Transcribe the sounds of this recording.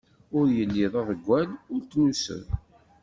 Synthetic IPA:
ʊɾjəlːiðˤəðəɡʷːænʊɾt̪ːnusə̰n

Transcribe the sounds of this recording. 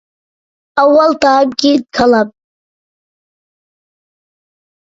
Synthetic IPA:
awalt̪ʰaːb̚ɡʲid̪̚kʰalap̚

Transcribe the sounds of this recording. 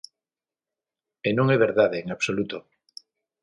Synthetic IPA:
enõŋɛβeɾðaðeːŋaβsolut̪o

